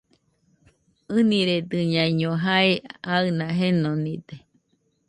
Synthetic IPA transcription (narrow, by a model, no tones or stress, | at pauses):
ɨniɾed̪ɨɲãiɲoɦaeaɨnaɦenonid̪e